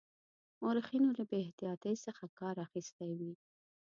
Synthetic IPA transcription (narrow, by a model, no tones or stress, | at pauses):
oɾxinolabeht̪ijɑt̪əjsəxakɑɾaxist̪awi